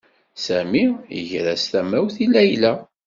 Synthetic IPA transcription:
sæmijə̰ʝɾæstæmæwθilːæjlæ

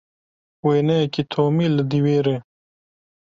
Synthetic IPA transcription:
weːnekit̪ʰoːmilɐd̪iweːɾe

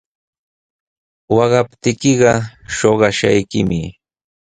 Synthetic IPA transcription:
wɑɢɑpt̪ɪkɪɢɑʃoɢɑʃa̰jkɪmɪ

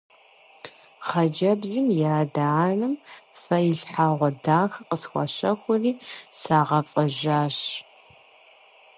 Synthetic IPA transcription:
χɐd͡ʒɐbzɨmjaːdanɨmfɐjɪɬħaːʁʷɔdaːxɐqəsxʷɐ̰ɕɐxʷʊriːsaːʁɐfʼɐʒaːɕ

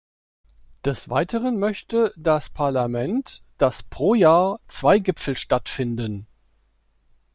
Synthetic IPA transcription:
d̥ɛsv̥a̰ɪtʰəʁ̞ənmœçtədaspʰaɐlamɛnt | d̥aspʁ̥oːjaːɐt͡sv̥aɪɡɪpfl̩ʃtatfɪndən

